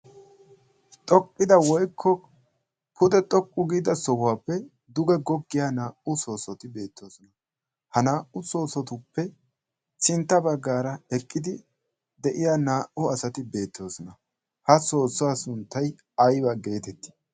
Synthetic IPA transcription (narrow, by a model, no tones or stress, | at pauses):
t̪ʼɔkʼːɪd̪ɐwɔjkʰːɔ | pʊd̪ɛt̪ʼɔkʼːʊɡiːd̪ɐsɔwʊwaːpːɛ | d̪ʊɡɛɡɔɡːɪjaːnaːʔʊso̞ːsɔt̪ɪbe̞ːt̪ʰːo̞ːsɔnɐ | hɐnaːʔʊso̞ːsɔt̪ʊpːɛ | t͡ʃɪnt̪ːɐbɐɡːaːɾɐɛkʼːɪd̪ɪ | d̪ɛʔɪjaːnaːʔʊɐsɐt̪ɪbe̞ːt̪ːo̞ːsɔnɐ | hɐso̞ːsʊaːsʊnt̪ːɐj | ɐjbɐɡe̞ːt̪ɛt̪ːɪ̥